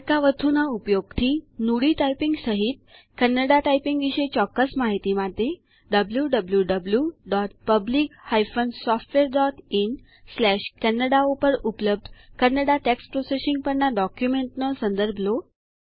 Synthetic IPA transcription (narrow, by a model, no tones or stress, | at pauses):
kaʋət̪ʰunaupjoɡ̚t̪ʰinuɽiʈajpiŋɡsəɦit̪̚ | kɛnːəɽaʈajpiŋɡʋiɕet͡ɕɔkːəsmaɦit̪imat̪e | ɖəbljuɖəbljuɖəbljuɖɔʈ̚pəbliːkhajfənsɔfʈʋeɾɖɔʈin | slɛɕkɛnːəɽaopəɾupləb̚d̪ʱkənəɽaʈekspɾosesiŋɡ̚pəɳɳaɖɔkjumeɳʈnəsənd̪əɾbʱlo